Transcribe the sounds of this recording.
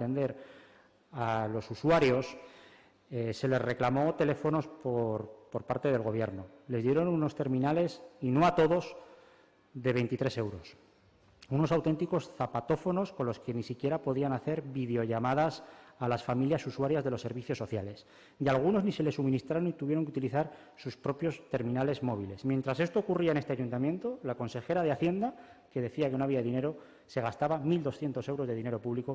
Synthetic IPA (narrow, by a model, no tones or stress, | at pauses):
t̪end̪e̞ɾ | alo̞suswaɾjo̞s | ese̞le̞zre̞klamo̞t̪e̞le̞fo̞no̞spoɾpo̞ɾpaɾt̪e̞ðe̞lɣo̞β̞je̞ɾno̞le̞zðje̞ɾo̞nuno̞st̪e̞ɾmĩnale̞sino̞at̪o̞ðo̞s | ðe̞β̞e̞jnt̪it̪ɾe̞se̞wɾo̞s | uno̞sawt̪e̞nt̪iko̞sθapat̪o̞fo̞no̞sko̞nlo̞ske̞nisikje̞ɾapo̞ðianaθe̞ɾβiðeo̞ʝamaðasalasfamiljasuswaɾjazðe̞lo̞sːe̞ɾβiθjosːo̞θjale̞s | ialɣ̞uno̞znise̞le̞sumĩnist̪ɾaɾo̞nit̪uβje̞ɾo̞ŋk̬eut̪iliθaɾ | suspɾo̞pjo̞st̪e̞ɾmĩnale̞zmo̞βile̞smje̞nt̪ɾase̞st̪o̞ːkuriaenet̪eaʝunt̪amjẽ̞nt̪olako̞nse̞xe̞ɾaðeaθje̞nd̪a | ke̞ðe̞θiake̞noaβiaeine̞ɾo̞ | se̞ɣ̞ast̪aβamild̪o̞sθje̞nt̪o̞se̞wɾo̞zðe̞ðine̞ɾo̞puβliko